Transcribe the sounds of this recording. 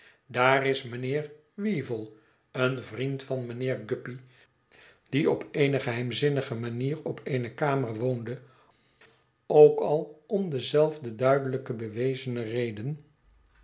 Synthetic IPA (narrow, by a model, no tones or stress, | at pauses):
daːrɪsmənɪːr | ʋivəlˠ | ənvrintfɑnmənɪːɹɡʏpi | d̥iɔpejnəχəɦɛjmzɪnəχəmaniːrɔpʰeɪnəkaːmərʋowndə | owkɑlˠɔmdəzɛlˠvdədœɥdələkəbəʋejzənərejdən